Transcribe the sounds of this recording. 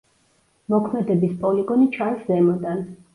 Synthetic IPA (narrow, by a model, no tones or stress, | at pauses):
mɔkʰmɛd̪ɛbispʼɔliɡɔnit͡ʃʰanszɛmɔd̪an